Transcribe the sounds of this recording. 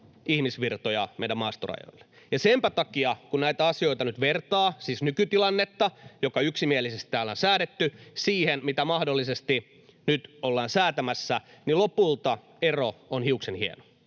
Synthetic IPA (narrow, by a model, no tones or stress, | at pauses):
ihmisʋirt̪ojɑmeiɾæmɑːst̪orɑ̰jo̰ilːe̥ | jɑsempæt̪ɑkiɑkunnæit̪æɑsioit̪ɑnyt̪ʋert̪ɑːsiːsnykyt̪ilɑnːet̪ːɑjokɑyksimielisest̪t̪ːæːlːæːnsæːɾet̪ːysiːhenmit̪æmɑhdolːisest̪i | nyt̪olːɑːnsæːt̪æmæsːænilopult̪ɑ | eroonhiuksenhiḛno̥